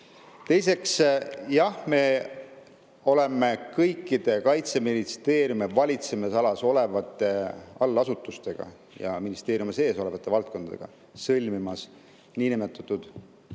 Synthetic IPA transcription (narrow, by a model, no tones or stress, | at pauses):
t̪e̞jse̞ksjɑhme̞ | o̞le̞me̞kɤjkːˑid̪̥e̞kɑjt̪se̞minist̪e̞ːɾjumevɑlʲit̪semesɑlɑso̞le̞vɑt̪ːˑe̞ɑlːɑsut̪ːˑust̪e̞ɡ̥ɑ̰ | jɑ̰minist̪eːɾjumese̞ːso̞le̞vɑt̪ːˑe̞vɑlt̪̚ko̞nd̪̥ɑd̪e̞̰ɡ̥ɑ̰ | sɤlʲmimɑs | niːnimet̪ːˑut̪ːˑud̪̥